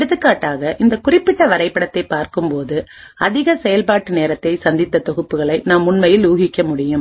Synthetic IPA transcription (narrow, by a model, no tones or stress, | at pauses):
ɽɯðɯkːaːʈːaːɣɐʔɪnd̪ɐkʊrɪpːɪʈːɐʋɐɾɐɪpːɐɽɐt̪ːɐɪpːaːɾkɯmpoːðɯɐðɪɣɐsɛjɐlpaːʈːɯneːɾɐt̪ːɐɪsɐnd̪ɪt̪ːɐt̪ɔɣɯpːɯɣɐɭɐɪnaːmːʊɳmɐjɪluːɣɪkːɐmʊɽɪjɯm